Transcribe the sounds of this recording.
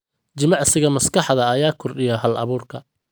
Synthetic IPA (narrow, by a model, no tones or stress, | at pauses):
t͡ʃɪmɑʕsɪɣɐmɐskʰɑħðɐːjaːkʰɔrɗɪjɐɦɐlɐ̰βuːrkʰɐ